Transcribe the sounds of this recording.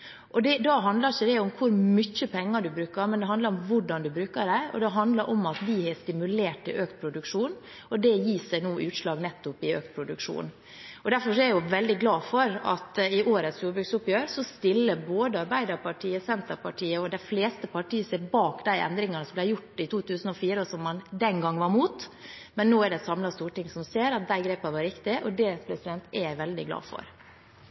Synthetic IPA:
ʔɔd̪ɛd̪ɑːɦɑnd̪ləɾɪçəd̪ɛʊmkʰʊɾmʏçːəpʰɛŋːɑɖʉbɾʉːkəɾmɛnd̪ɛɦɑnd̪ɑɾɔmʋʊɖɑnd̪ʉbɾʉːkəɖæɔ̰d̪ɛɦɑnd̪ləɾʔɔmɑt̪d̪ɪhɛst̪ɪmʉleːʈɪlʔøːkt̪̚pʰɾʊd̪ʉkʂuːn | ɔd̪ɛjiːsənuːʔʉːt̪ʂlɑːɡnɛt̪ːʊpɪø̰ːk̚t̪̚pʰɾʊd̪ʉkʂṵːn | ɔd̪æɾfɔʂɔɛɾjʊʋɛld̪ɪɡlɑːfɔɾɑ̰t̪ɪʔoːɾət̪sjuːɾbɾʉɡsʊpjøːɾsɔst̪ɪlːəboːd̪əɑɾbæɪd̪əɾpɑʈʰiːəsɛnt̪əpɑʈʰiːəɔd̪æɪfleːst̪əpɑʈʰiːəseːɾbɑːkd̪æɪʔɛ̰nd̪ɾɪŋɑnəsɔmblæɪjʊʈːɪt̪ʰuːt̪ʰʉːsn̩ɔfiːɾəsɔmːɑnd̪ɛnɡɑŋːʋɑɾmuːt̪mɛnːoːæɖɛsɑmlɑst̪uːʈɪŋsɔmseːɾɑt̪̚d̪æɪɡɾeːpɑʋɑɾɪkt̪ɪʔɔd̪ɛpʰɾɛsɪd̪ɛnt̪ɛʋɛld̪ɪ̰ɡlɑ̰ːfɔ̰ɾ

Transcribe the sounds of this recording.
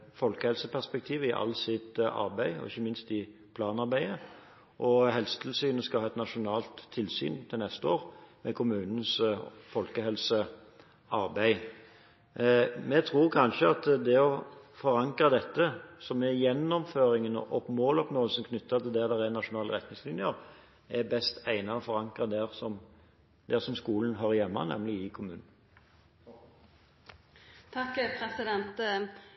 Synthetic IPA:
fɔlkəhɛlsəpʰæʁspɛk̚t̪ʰiːʋəɪʔɑ̰lːsɪt̪ɑ̰ɾbæɪɔ̰ɪçːəmɪnst̪ɪpʰlɑːnɑʁbæɪə | ʔɔɦɛlsə̥t̪ʰɪlsyːnəskɑhɑːɛt̪nɑʂʊnɑːlt̪ʰːɪlsy̰ːnt̪ʰɪlnɛst̪əoːɾmɛkʰʊmʉːnən̩sfɔlkəɦɛlsə | ʔɑɾbæɪ | mɛt̪ʰɾuːɾkʰɑnʃəɑt̪d̪ɛɔfɔɾɑŋkɾɑd̪ɛt̪ːəsɔmɛjɛnːɔmføːɾɪŋənɔ̰ʔɔpmoːlɔpnoːəlsən̩kʰnʏt̪ːɑt̪ɪld̪ɛd̪ɛʁɛnɑʂʊnɑːləʁɛt̪nɪŋslɪnjəɾ | ɛbɛst̪æɪnɑɔfɔɾɑŋkʁɑd̪ɛʁsɔm | d̪ɛsɔmskuːlən̩ɦøɾəjɛmːɑ̰nɛ̰mlɪɪkʰʊmʉːnn̩ | t̪ʰɑkːpʰɾɛsɪd̪ɛnt̪

